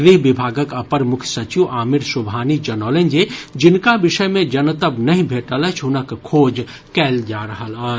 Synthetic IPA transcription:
ɡɾiɦbibʱaːɡəkəpəɾmʊkʰjsət͡ʃiʋʔaːmiɾsubʱanid͡ʒənələnd͡ʒed͡ʒinkabiʃəjmẽd͡ʒənət̪əbnəɦĩbʱeʈələt͡ʃʰɦʊnəkʰːoːd͡ʒ | kɛld͡ʒaɾəɦələ

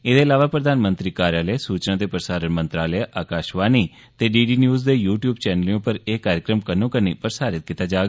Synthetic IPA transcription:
eːd̪eːəlaːʋaːpɾəd̪aːnmə̃nt̪ɾiːkaːɾjaːləesuːt͡ʃnãːt̪eːpɾəsaːɾənmə̃nt̪ɾaːləeʔaːkaːʃʋaːniː | t̪eːɖiːɖiːnjuːzd̪eːjuːʈjuːbt͡ʃɛːnəliõːpəɾeːkaːɾjəkɾəmkənõːkənḭːpəɾsaːɾɪt̪̚kit̪aːd͡ʒaːɡ

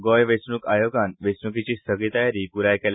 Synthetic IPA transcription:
ɡojʋesnuːkajoɡanʋesnukit͡ɕiːsəɡɭit̪əjaɾiːpuɾajkel

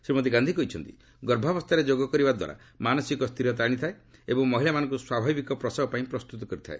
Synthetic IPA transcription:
sɾimɔd̪iɡand̪ʱikɔit͡ʃʰɔnt̪i | ɡɔɾbʱabɔst̪aɾed͡ʒoɡɔkɔɾibad̪wa̰ɾa̰ | manɔsikɔst̪ʰiɾɔt̪̬aɽ̃it̪ʰae | ebɔŋmɔɦilamanɔ̃ŋkuswabʱabikɔpɾɔsabpaĩpɾɔst̪ut̪ɔkɔɾit̪ʰae

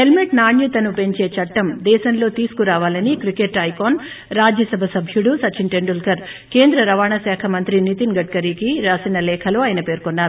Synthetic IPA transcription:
ɦelmeʈnaːɳjut̪ɐnupe̞ɲt͡ʃe̞ːt͡ʃɐʈːɐmd̪ɛːʃɐnlo̞ːt̪iːsu̥kuɾaːʋaːlɐnikɾikeʈːɐjkoːn | ɾaːd͡ʒjɐsɐbʱɐsɐbʱjuɽusɐt͡ʃːiɳʈeɳɖulkɐɾ | ke̞ːnd̪ɾɐɾɐʋaːɳɐsɛːkʰɐmɐnt̪ɾinit̪inɡɐʈ̚kɐɾiːkiɾaːsinɐlɛːkʰɐloːaːjɐnɐpe̞ːɾkonːaːɾu

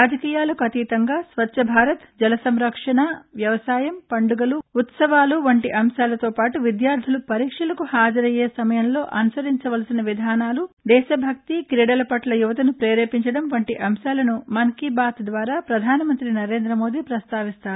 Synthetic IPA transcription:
aːd͡ʒɐkiːjaːlɐkuɐt̪iːt̪ɐŋɡaːsʋɐt͡ʃːʃɐbʱaːɾɐt̪d͡ʒɐlɐsɐmɾɐkʂɐɳɐʋjɐʋɐsaːjɐmpɐɳɖuɡɐluut̪sɐʋaːluʋɐɳʈiʔɐmʃaːlɐt̪o̞ːpaːʈuʋid̪jaːɾd̪ʰʱulupɐɾiːkʂɐlɐkuhaːd͡ʒɐɾɐjeːsɐmɐjɐmlo̞ːʔɐnusɐɾiɲt͡ʃɐʋɐlɐsinɐʋid̪ʱaːnaːlud̪ɛːʃɐbʱɐk̚t̪ikɾiɽɐlɐpɐʈlɐjuʋɐt̪ɐnupɾeːɾeːpiɲt͡ʃɐɽɐmʋɐɳʈiʔɐmʃaːlɐnumɐŋkibaːt̪d̪ʋaːɾaːpɾɐd̪ʱaːnɐmɐnt̪ɾinɐɾe̞ːnd̪ɾɐmo̞ːd̪iːpɾɐst̪aːʋist̪aːɾu

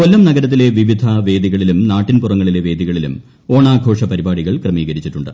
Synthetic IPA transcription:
ko̞lːɐmnɐɣɐɾɐt̪̬ːile̞ʋiʋid̪ʱɐʋe̞ːd̪iɣɐɭilumnaːʈːinpurɐŋːɐɭile̞ʋe̞ːd̪iɣɐɭilṵm | o̞ːɳaːɡʱo̞ːʂɐpɐɾibaːɽiɣɐɭkrɐmiːɣɐɾit͡ɕːiʈːuɳɖɨ

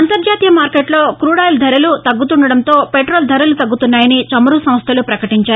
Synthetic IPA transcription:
ɐnt̪ɐɾd͡ʒaːt̪ijɐmaːɾkeːʈlo̞ːkɾuːɽaːjld̪ʱɐɾɐlut̪ɐɡːut̪uɳɖɐɽɐnt̪o̞ːpeʈɾoːld̪ʱɐɾɐlut̪ɐɡːut̪unːaːjɐnit͡ʃɐmɐɾusɐmst̪ʰɐlupɾɐkɐʈiɲt͡ʃaːɾ

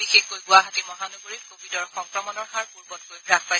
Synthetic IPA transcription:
bixexkojɡʊaɦatimɔɦanoɡoɹikobidɔɹxɔŋkɹɔmɔnɔɹxaɹpuɹbɔt̚kojbɹak̚paj

